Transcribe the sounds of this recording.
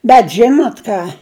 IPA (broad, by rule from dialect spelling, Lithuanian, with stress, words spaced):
bʲɛt ˈʒʲɪnoːt ˈkɑː